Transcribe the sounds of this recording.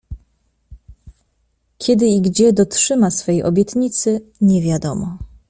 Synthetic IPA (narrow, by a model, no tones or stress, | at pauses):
kʲʰɛd̪ɘiɡd͡ʑɛd̪ɔtʂɘmasfɛjʔɔ̰bʲjɛt̪ɲit̪sɘɲɛvʲjad̪ɔmɔ